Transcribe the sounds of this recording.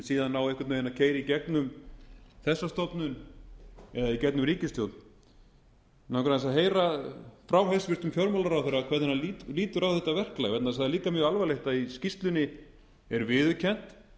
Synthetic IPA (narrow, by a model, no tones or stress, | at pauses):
siːðanːaːwɛhkvaɾt̪ejɪnacʰeːjɾɪicɛknʏm | θɛsːast̪ɔpnʏn | ɛðaicɛt̪̚nʏmɾiːcɪst̪jowt̪n | nawkɾaðɛsaðɦeːjɾafɾaːwɦesvɪst̪ʏmfjɔɾmalaɾawθeɾakʰvɛɾðɛnːaliliːt̪ʏɾawvθɛht̪avɛr̥klajɣɛt̪naðɛs̬aðaɾliːkamjœːɣalvaleht̪aiscist̪lʏnːɪ | ɛɾvɪðʏcʰɛn̥t̪